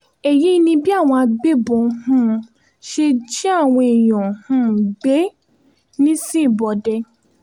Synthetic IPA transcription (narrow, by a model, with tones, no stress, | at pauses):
ɛ˨ji˨˦i˧nĩ˧bi˦a˦˨w̃ɔ̃˧a˧ɡ͡be˦bɔ̃˨hũ˧˦ | ʃe˧d͡ʒi˦a˦˨w̃ɔ̃˧i˨j̃ɔ̃˨hũ˧˦ɡ͡be˨˦ | nĩ˦sĩ˦i˦˨bɔ˨dɛ˧